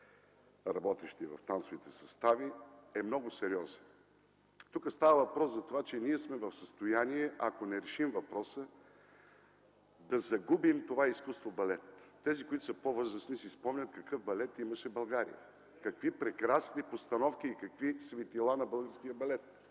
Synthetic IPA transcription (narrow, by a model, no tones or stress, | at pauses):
ɾɐbɔt̪ɛʃt̪ivɐ̰ft̪ansovit̪ɛsɐst̪aviɛmnɔɡʊsɛɾiɔzɛn | t̪ukəst̪avɐvɐpɾɔszɐt̪ovat͡ʃɛniɛsmɛvɐfsəst̪ojaniɛʔɐkonɛɾɛʃimvɐpɾɔsə | d̪ɐzɐɡubimt̪ovaiskust̪vobɐlɛt̪ː | ɛzikoit̪ʊ̥səpovɤzɾəsnisispɔmnʲɐt̪kɐkɤfbɐlɛt̪imɐʃɛbɐlˠɡaɾḭjə̰ | kɐkvipɾɛkɾasnipost̪ɐnɔfk̟iːkɐkvisvɛt̪ilˠanɐbɤlˠɡəɾskijəbɐlɛt̪̚